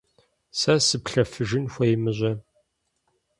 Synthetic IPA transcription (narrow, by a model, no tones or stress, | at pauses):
sɐsɨpɬɐfɨʒɪnxʷɐjɪmɨʑʷɐ